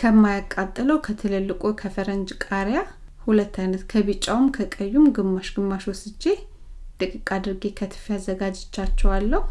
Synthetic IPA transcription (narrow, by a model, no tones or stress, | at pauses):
kʰəmːajakʼːat̪ʼːɨləwkʰət̪ʰɨlɨlːɨkʼokʰəfəɾənd͡ʒkʼaɾja | hulət̪ːajnət̪kʰəβɨt͡ʃʼːawumkʰəkʼəjːumɡɨmːaʃɡɨmːaʃosɨd͡ʒːe̞ | t̪ʼɨkʼɨkʼad̪ɨɾɡekʰət̪ʰɨ̥fiazːəɡad͡ʒɪt͡ʃːat͡ʃːɛwalːəhu